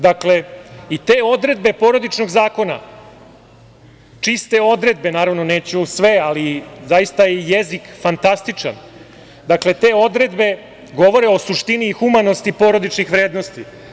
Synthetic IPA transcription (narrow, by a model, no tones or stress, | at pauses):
d̪akle̞it̪e̞ːo̞d̪ɾe̞d̪be̞po̞ɾod̪it͡ʃno̞ɡzaːko̞na̰ | t͡ʂist̪e̞o̞d̪ɾe̞d̪̚be̞naːɾaʋno̞neːt͡ɕusʋe̞alizajist̪ajejezikfant̪ast̪it͡ʂa̰n | d̪akle̞t̪e̞ːo̞d̪ɾe̞d̪be̞ | ɡo̞ʋo̞ɾe̞o̞suʂt̪iniːxumano̞st̪ipo̞ɾo̞d̪it͡ʂnixʋɾeːd̪no̞st̪i